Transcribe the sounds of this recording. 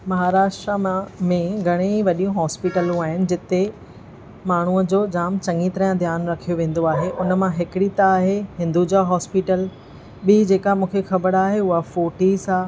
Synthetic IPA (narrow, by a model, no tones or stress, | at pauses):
mɐɦaːɾaːʃʈɾaãmẽɡʱɐɽ̃eʋɐɗijũɦɔːspiʈəlũaːɦɪnɪ̆d͡ʑɪt̪e | maːɳ̤uəd͡ʑoːd͡ʑaːmt͡ɕɐ̃ŋɡit̪ɾəjãd̪ʱjaːnɾɐkʰijoʋẽːn̆d̪oaːɦeʔʊnəmãɦɪkɽit̪aːɦeɦɪ̃nd̪ud͡ʑaːɦɔːspiʈəl | ɓid͡ʑeːkamũːkʰexɐbəɽaːɦeʊɦafoːʈisaː